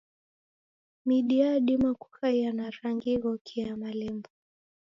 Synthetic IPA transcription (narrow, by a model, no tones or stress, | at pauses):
miɗiaɗimaku̥xajanaɾaŋɡiɣɔkʰiamalɛmbɔ